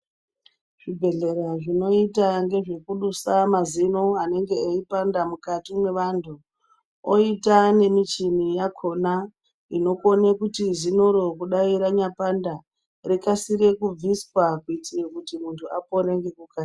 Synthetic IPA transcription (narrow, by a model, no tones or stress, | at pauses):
ʐ̥ibʱe̞ɮe̞ɾaʐino̞itaŋɡe̞ʐe̞kuɗusamazinoane̞ŋɡe̞aipandamukatimwe̞ʋantʰu | oitane̞mit͡ʃinijakʰo̞na | ino̞konekutizinoɾo̞kuɗaiɾaɲapanda | rikasiɾe̞kub͡viswakuitirekutimuntʰuapoɾeŋɡe̞kuka